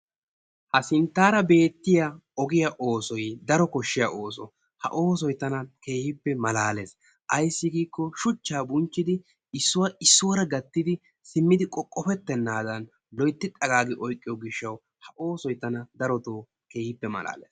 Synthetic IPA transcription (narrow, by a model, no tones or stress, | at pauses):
hɐsɪnt̪ːaːɾɐbe̞ːt̪ːɪjɐɔɡɪjɐʔo̞ːsɔjd̪ɐɾɔkɔʃːɪjɐʔo̞ːsɔ̰ | hɐ̰ʔo̞ːsɔjt̪ɐnɐke̞ːhɪpːɛmɐlaːle̞ːs | ʔɐjsːɪɡiːkːɔʃʊt͡ʃːaːbʊnt͡ʃːɪd̪ɪ | ɪsːʊwɐɪsːʊwɐɾɐɡɐt̪ːɪd̪ɪ | sɪmːɪd̪ɪkʼɔkʼːɔfɛt̪ːɛnːaːd̪ɐn | lɔjt̪ːɪᶑʼɐɡaːɡɪʔɔjkʼːɪjɔɡɪʃːɐw | hɐʔo̞ːsɔjt̪ɐnɐd̪ɐɾɔt̪oː | ke̞ːhɪpːɛmɐ̰la̰ːlḛːs